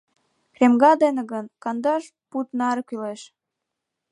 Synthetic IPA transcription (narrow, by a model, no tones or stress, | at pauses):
kremɡɑd̪eneɣənkɑnd̪ɑʃ | put̪nɑɾɤkyleʃ